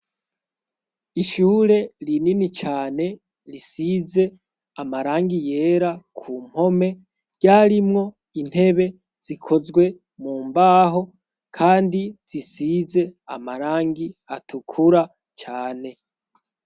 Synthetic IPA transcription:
iʃuːɾe̞ɾininit͡ʃaːne̞ | ɾisize̞ | amaɾaːŋɡije̞ɾakʰuːm̥ho̞me̞ | ɟaːɾimŋo̞ | in̥he̞βe̞ | z̥ikʰo̞zɡwe̞ | muːmbaːɦo̞ | kʰaːndiz̥isize̞a̰maɾaːŋɡiatʰukʰuɾa | t͡ʃaːne̞

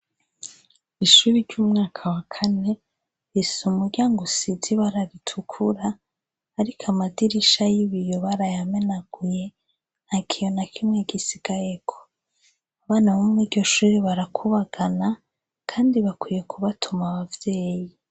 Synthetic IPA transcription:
iʃuɾiɾɟuːmŋaːkʰawakʰane̞ | ɾisumuɾɟaːŋɡusidiβaɾaɾitʰukʰuɾaː | ɾikʰamadiɾiʃajiβijoβaɾajame̞naɡ̥uje̞ | akʰijo̞nakʰimŋeɡisiɡ̥ajeɡ̥o̥ | aβaːnaβumŋiɾɟo̞ʃuːɾiβaɾakʰuβaɡ̥ana | kʰaːndiβakwije̞kʰuβatʰumaβavje̞ːji

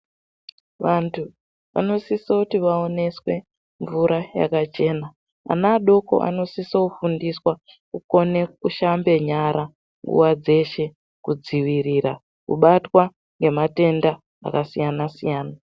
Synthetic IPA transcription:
ʋantʰu | ʋa̰no̞sisoutiʋao̞ne̞swe̞ | ɱvuɾaja̰kat͡ʃe̞ːna | a̰naːɗo̞ko̞̰ʔa̰no̞sisoufundiswa | kuko̞ne̞kuʃambe̞ɲaɾa | ŋɡṵwad͡ze̞ʃe̞ | kud͡ziʋiriɾa | kṵɓatwa | ŋɡe̞mate̞nda | a̰kasijanasijaːna

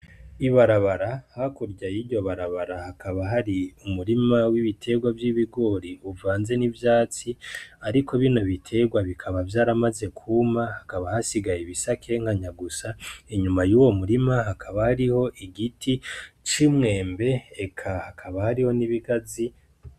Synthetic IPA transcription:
iβaɾaβaɾahakuɾɟajiɟo̞βaɾaβaɾahakaβaɦaɾiumuɾimawiβitʰe̞ɡwavjiβiɡo̞ːɾiuvaːnze̞nivjaːt͡siaɾikʰo̞βino̞βitʰe̞ɡwaβikʰaβavjaːɾamaze̞kʰumahakaβahasiɡajeβisakʰe̞ŋhaɲaɡusaiɲumajuːwo̞muɾimaɦakʰaβahaɾiho̞ʔiɡitʰit͡ʃimŋe̞ːmbe̞ekʰahakʰaβahaɾiho̞niβiɡazi

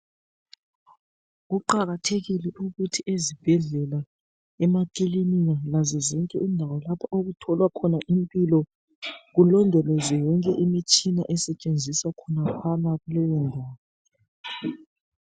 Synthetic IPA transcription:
ɣuǃaɣatʰeɣilɛʔuɣutʰiʔezib̥ʱɛɮɛla | ɛmakʼilinijalazɛzɔŋkʼɛindʱawɔlapʰaʔoɣutʰɔlwakʰɔnaʔimpʼilɔ | ɣulɔndʱɔlɔzɛjɔŋkʼɛʔimit͡ʃʼinaʔɛsɛt͡ʃʼend͡zʱiswakʰɔnakʰwanaɣulɛjɔndʱaːwɔ

